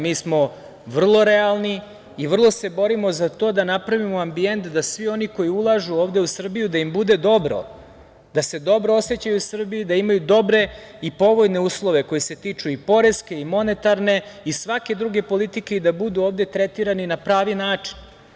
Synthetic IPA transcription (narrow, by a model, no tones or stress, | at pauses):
miːsmo̞ | ʋr̩lˠo̞ɾe̞alˠni | iʋr̩lˠo̞se̞bo̞ɾimo̞zat̪o̞d̪anapɾaʋimoambie̞nt̪d̪asʋio̞niko̞jiulˠaʒuoːvd̪e̞usr̩bijud̪aimbud̪e̞d̪o̞bɾo̞̰ | d̪ase̞d̪o̞bɾoose̞t͡ɕajusr̩biid̪aimajud̪o̞bɾe̞ | ipo̞ʋo̞jne̞uːslˠo̞ʋe̞ko̞jese̞t̪iːt͡ʂuipo̞ɾe̞ske̞imo̞ne̞t̪aɾne̞isʋake̞d̪ɾuɡe̞po̞lit̪ike̞id̪abud̪uoːvd̪e̞t̪ɾet̪iɾaninapɾaːʋinaːt͡ʂi̥n